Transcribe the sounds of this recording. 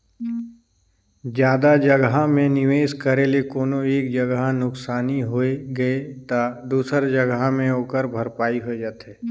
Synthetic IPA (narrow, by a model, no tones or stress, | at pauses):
d͡ʒjaːd̪ad͡ʒəɡɦamẽnɪʋeːʃkəɾelekoːnoeːk̚d͡ʒəɡɦnʊksaːniɦoeɡəet̪ad̪uːsəɾd͡ʒəɡmẽɦoːkəɾbʱəɾpaːiɦod͡ʒaːt̪ɦɛː